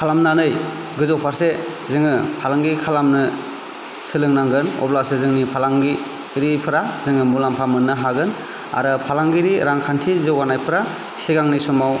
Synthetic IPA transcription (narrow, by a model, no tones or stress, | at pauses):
kʰalamnanɯj | ɡɯzɔk̚pʰaɾse | zɯŋɯpʰalaŋɡikʰalamnɯ | sɯlɯŋnaŋɡɯnɔ̰blasezɯŋnipʰalaŋɡi | ɾipʰɯɾazɯŋɯmulampʰamɯnːɯɦaɡɯn | a̰ɾɯpʰalaŋɡiɾiɾaŋkʰantʰizɯwɡanajpʰɯɾa | siɡaŋnisumaw